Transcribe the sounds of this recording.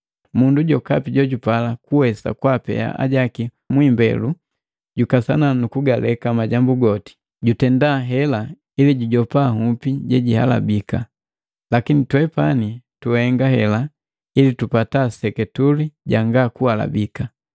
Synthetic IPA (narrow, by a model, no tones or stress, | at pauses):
munduɟɔkapiɟɔɟupalakuwɛsa̰kwapɛ̰a̰a̰ɟaki | mwimbɛ̰lu | ɟukasananukuɡalɛkamaɟambuɡɔti̥ | ɟutɛndaɦɛla | iliɟuɟɔpahupiɟɛɟiha̰la̰bika̰ | lakinitwɛpanituɛŋɡaɦɛla | ilitupatasɛkɛtuliɟaŋɡakuhala̰bika